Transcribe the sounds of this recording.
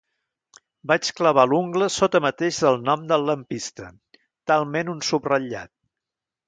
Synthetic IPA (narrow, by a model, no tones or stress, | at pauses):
bat͡ʃkləβ̞aluŋɡləsot̪əmət̪eʃðəlˠnɔmd̪əlˠːəmpist̪ə | t̪alˠmenunsubrəʎa̰t̪̚